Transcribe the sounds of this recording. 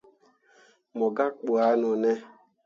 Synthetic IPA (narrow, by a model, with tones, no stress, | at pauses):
mɔ˨ɡa˦k͡po˨a˨˦nʊ˨nɛ˦